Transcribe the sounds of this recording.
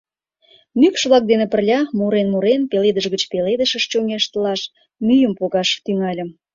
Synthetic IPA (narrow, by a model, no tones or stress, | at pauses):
nykʃβlɑk̚d̪enepə̆rlʲɑmuɾenmuɾenpeled̪əʒɣət͡ɕpeled̪əʃə̆ʃt͡ɕoŋeʃt̪əlɑʃ | myjəmpoɣɑʃt̪yŋɑlʲə̆m